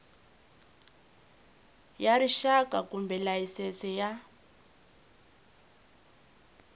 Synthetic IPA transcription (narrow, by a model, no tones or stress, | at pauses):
jaɾiʃakakumbɛlajisɛsɛja